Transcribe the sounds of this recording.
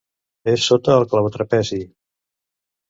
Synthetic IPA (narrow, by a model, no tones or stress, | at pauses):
esːot̪əːlˠklaβt̪ɾəpɛzi